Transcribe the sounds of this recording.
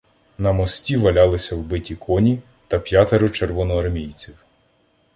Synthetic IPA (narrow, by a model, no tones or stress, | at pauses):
nɐmɔsʲtʲiʋɐlʲɑlˠɪsʲɐwbɪtʲikʰɔnʲi | t̪ɐpʲjat̪eɾʊt͡ʃerʋɔnɔɐrmʲijt͡sʲiw